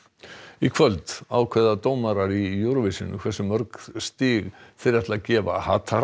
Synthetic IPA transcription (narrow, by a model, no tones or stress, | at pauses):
ikʰvœlt̪aːwkʰvɛðat̪oːwmaɾaɾijʊɾvɪsɪnʏ̰kʰvɛsːʏmœɾkst̪iːɣθɪɾɛht̪lacɛːva̰haːt̪ʰaɾ